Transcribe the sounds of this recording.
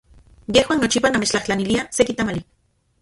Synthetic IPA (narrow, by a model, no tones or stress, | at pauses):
jehwaːnot͡ʃipanamet͡ʃt͡ɬaht͡ɬaniliasekit̪amali